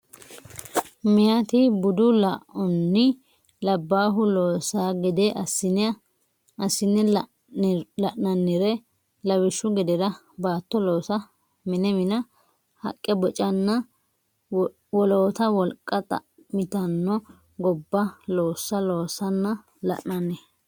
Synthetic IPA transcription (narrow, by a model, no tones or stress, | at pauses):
mɪjat̪ɪbʊd̪ʊlɐʔɔnːɪ | lɐbːaːɦʊloːsaːɡɛd̪ɛʔɐsɪn | ɐsːɪnːɛ | lɐʔnɐnːɪɾɛ | lɐwɪʃːʊɡɛd̪ɛdɐ | baːt̪ːɔlo̞ːsɐ | mɪnɛmɪnɐ | hɐ̰kʼːɛbɔt͡ʃʼɐnːɐ | wɔloːt̪ɐwɔlkʼːɐt̪ʼɐ̰ | mɪt̪ɐnːɔ | ɡɔbːɐloːsːɐlo̞ːsɐnːɐ | lɐ̰ʔnɐnːɛ